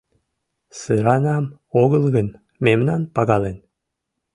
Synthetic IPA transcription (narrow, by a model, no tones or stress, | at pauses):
sɨɾɑnɑm | oɣəlɣən | memnɑnpɑɣɑlen